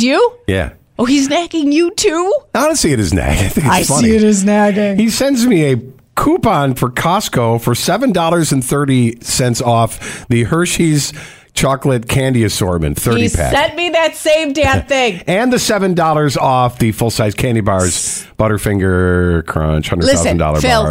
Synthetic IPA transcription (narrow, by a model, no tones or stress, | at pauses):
jʉjæ̰ | oʊiznæɡɪ̃ŋjɨtʰuɑnəsiɨɾɨznæ̰ɡaɪθɪ̃ŋkaɪsfʌniiɨɾɨznæɡɪ̃ŋhisɛ̃ndzmiɨ | kʰupɑ̃nfə˞kʰɑskoʊfə˞sɛvɨ̃ndɔlˠə˞zɨ̃nθɜ˞ɾisɛ̃ntsɔfðɨhɜ˞ʃiz̥ | t͡ʃʰɑklɨt̚kʰæ̃ndiɨsɔɹt̚mɨ̰̃nθɜ˞ɾipʰæ̰sɛ̃nmiðɨtsẽɪ̃mdæ̃θɪ̃ŋɨ̃nðɨsɛvɨ̃ndɔlˠə˞zɔfðɨfʊlˠsaɪz̥kʰæ̃ndibɑɹz̥b̥ʌɾə˞fɪ̃ŋɡə˞kʰɹ̥ɑ̰̃nt͡ʃhʌ̃ndɹlɪaʊzn̩dɔ̰lˠə̰˞bɪlˠ